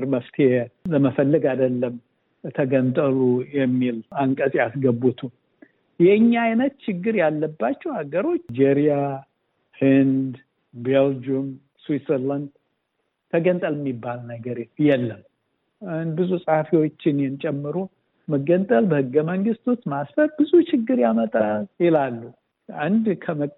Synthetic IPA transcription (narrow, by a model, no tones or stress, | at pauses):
ɾməft̪ʰeeeləməfəlːəɡad̪əlːəm | t̪ʰəɡənt̪ʼəlujɛmːilaŋkʼəsʼjasɡəbut̪ʰu | jɛɨɲːaːjnət̪t͡ʃɪɡːɨɾjalːəbːat͡ʃːɛwhaɡəɾo̞t͡ʃːd͡ʒeɾia | hɨnd̪ | beld͡ʒum | swit̪səɾland̪ | t̪ʰəɡənt̪ʼəlɨmːibːalnəɡəɾt̪jɛlːəm | nbɨzusʼəhafiwo̞t͡ʃːɪnjɛnt͡ʃʼɛmːɨɾu | məɡənt̪ʼəlbəhɨɡːəməŋɡɨst̪ʰot͡ʃːmasfəɾbɨzut͡ʃɪɡːɨɾjamət̪ʼaljɪlalːu | ʔand̪kʰəmə